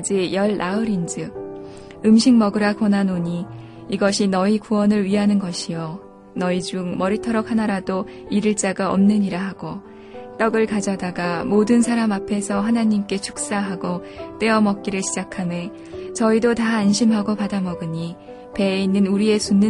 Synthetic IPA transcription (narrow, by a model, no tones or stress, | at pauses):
d͡ʑijʌɭːaɯɾind͡ʑɯ | ɯmɕʰiŋmʌɡɯɾakʌnanoɲi | iɡʌɕʰinʌikuwʌnɯɭɥiɦanɯnɡʌɕʰijo | nʌid͡ʑuŋmʌɾitʰʌɾʌk̚ʰhanaɾado | iɾɯɭt͡ɕ͈aɡaʌ̰mnɯɲiɾaɦaɡ̥o | t͈ʌɡɯɭkad͡ʑʌdaɡamodɯnsʰaɾamapʰe̞sʰʌɦanaɲimk͈e̞t͡ɕʰuk̚s͈aɦaɡot͈e̞ʌmʌk̚k͈iɾɯɭɕʰid͡ʑakʰame̞ | t͡ɕʌidotaːnɕʰimɦaɡopadamʌɡɯɲi | pe̞inːɯnuɾie̞sunːɯ